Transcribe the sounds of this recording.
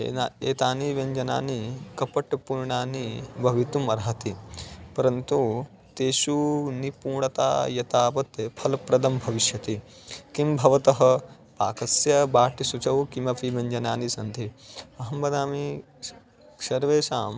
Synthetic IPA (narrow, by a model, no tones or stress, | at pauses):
ḛaḛːt̪aːniʋɐɲd͡ʒɐna̰ːnikɐpɐʈpuɾɳaːnibʱɐʋit̪umɐɾɦɐt̪ipɐɾɐnt̪u | t̪eːʃunipuːɳɐt̪a̰ːjɐt̪aːpɐt̪ːepʰɐlpɾɐd̪ɐmbʱɐʋiʃjɐt̪i | kimbʱɐʋɐt̪ɐɦɐ̆ | paːkɐsjɐbaːʈisut͡ʃɐʋkimɐpiʋɐɲd͡ʒɐnaːnisɐnd̪ʱiɐɦɐmbɐd̪aːmi | sɐɾʋeːsaːm